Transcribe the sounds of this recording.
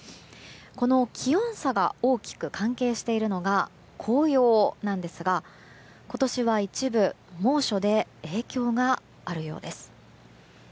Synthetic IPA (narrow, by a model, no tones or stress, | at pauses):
ko̞no̞kʲʰiõ̞ɰ̃saɡa̰o̞ːkʲi̥kɯ̟kʰãŋke̞ːɕi̥t̪e̞iɾɯ̟no̞ɡa | kʰo̞ːjo̞ːnãnd̪e̞sɨɡa | ko̞t̪o̞ɕiβait͡ɕibɯ̟ | mo̞ːɕo̞d̪e̞eːkʲo̞ːɡa | aɾɯ̟jo̞̰ːd̪e̞sɨ̥